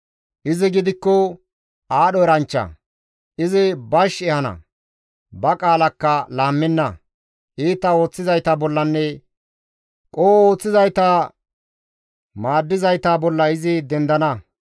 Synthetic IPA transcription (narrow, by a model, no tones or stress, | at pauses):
ʔɪzɪɡɪd̪ɪkːɔ | ʔaːɗɔɛɾɐnt͡ʃːɐ̰ | ʔɪzɪbɐʃɛhɐnɐ̰ | bɐkʼaːlɐkːɐlaːmːɛnːɐ | ʔiːt̪ːɐo̞ːt͡sːɪzɐjt̪ɐbɔlːɐnːɛ | kʼoːo̞ːt͡sːɪzɐjt̪a | maːd̪ːɪzɐjt̪ɐbɔlːɐɪzɪd̪ɛnd̪ɐnɐ